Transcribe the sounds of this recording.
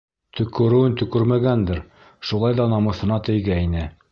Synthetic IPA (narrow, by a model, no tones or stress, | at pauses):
t̪ʰɵ̆kɵ̆ɾɘ̆wɘnt̪ɵ̆kɵɾmæɡænd̪ɘɾ | ʃulˠɑjðɑnɑmɤ̆θɤ̆nɑt̪ɘ̆jɡæinɘ